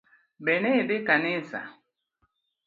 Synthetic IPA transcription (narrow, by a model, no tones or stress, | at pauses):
benebɪkanɪsa̰